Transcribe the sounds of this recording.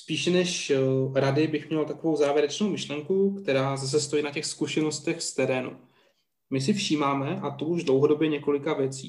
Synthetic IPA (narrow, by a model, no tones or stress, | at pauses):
spiːʃɛnɛʃɾadɪbɪxmɲɛlt̪akovo̞wzaːvjɛɾɛt͡ʃno̞wmɪʃlɛŋkukt̪ɛɾaːzas̬ɛst̪o̞jiːnacɛxskuʃɛno̞st̪ɛxst̪ɛɾɛːnṵ | mɪs̬ɪfʃiːmaːmɛʔat̪oʔuʒdlowɦodo̞bjɛɲɛko̞lɪkavjɛt͡sḭː